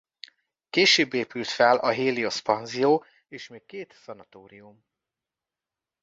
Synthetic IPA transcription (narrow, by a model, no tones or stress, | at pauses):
keːʃøːbːeːpylt̪fɛlɒɦeːlio̞spɒnzijoː | eːʃmeːkːeːt̪sɒnɒt̪oːɾium